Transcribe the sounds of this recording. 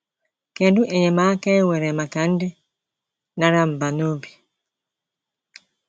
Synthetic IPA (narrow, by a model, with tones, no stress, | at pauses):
kɛ˨du˦ʔɛ˨ɲɛ˨ma˨˦kɛ˦wɛ˨ɾɛ˨ma˨ka˨˦n˦dɛ˦ | na˦ɾa˦m̩˨ba˨no˦bi˨